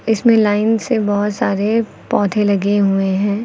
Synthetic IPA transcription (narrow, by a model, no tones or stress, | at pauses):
ɪsmẽlaːɪnsebɔɦʊt̪saːɾe | pɔːt̪ʰẽlɐɡeɦueɦɛ̃ː